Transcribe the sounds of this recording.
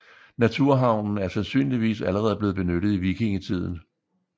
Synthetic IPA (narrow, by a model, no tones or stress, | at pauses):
næt͡sʰuɐ̰ɦɑ̈ʊ̰nn̩æɐsænsy̰ːnliʋḭːsæləʁɛːð̞̩ˠble̝ːðˠb̥e̝nøɾ̥ð̩ˠiʋiɡ̥ʰe̝ŋit͡sʰið̰ˠn̩